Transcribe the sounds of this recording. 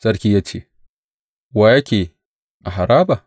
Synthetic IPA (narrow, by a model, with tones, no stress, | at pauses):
sʼɐ˦ɾkʲiː˦jaː˦t͡ʃḛː˦ | waː˦jɐ˦kʲeː˨ | ʔa˨ɦa˨ɾaː˦ba˨